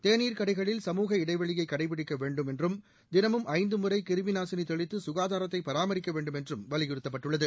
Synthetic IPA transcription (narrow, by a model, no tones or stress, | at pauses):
t̪eːniːɾkɐɽɐɪɣɐɭɪlsɐmuːɣɐɪɽɐɪʋɐɭɪjɐɪkːɐɽɐɪp̬ɪɽɪkːɐʋeːɳɖɯmɛndrɯm | d̪ɪnɐmɯmʔɐɪnd̪ɯmɯrɐɪkɪɾmɪnaːsɪnit̪ɔɭɪt̪ːɯsʊɣaːðaːɾɐt̪ːɐɪpːɐɾaːmɐɾɪkːɐʋeːɳɖɯmɛndrɯmʋɐlɪɣɪɽɯt̪ːɐpːɐʈːɯɭːɐðɯ